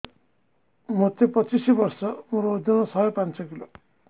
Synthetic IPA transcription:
mot̪ːepʌt͡sisibʌrsʌmuɾoːd̪inʌsʌjepant͡sʌkilo

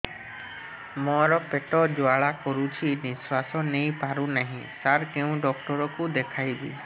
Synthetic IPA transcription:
mɔɾɔpeʈɔd͡ʒoaɭakɔɾut͡ʃʰiniswasɔnejpaɾunaɦĩt̪aɾkeũɖɔk̚ʈɔɾɔkud̪ekʰajbḭ

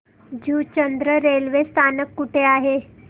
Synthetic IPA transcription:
d͡ʑut͡ɕənd̪ɾəɾelʋest̪ʰanəkːuʈʰeaɦe

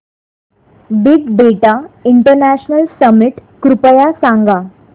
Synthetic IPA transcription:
biɡbeʈaiɳʈəɾnæɕnəlsəmiʈkɾupəjasãŋɡa

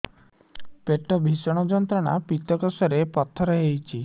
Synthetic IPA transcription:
peʈɔbʱisɔɽ̃ɔd͡ʒɔnt̪ɾɔɽ̃a̰pit̪ɔkɔsɔɾepɔt̪ʰːɔɾɔɦejt͡ʃʰi

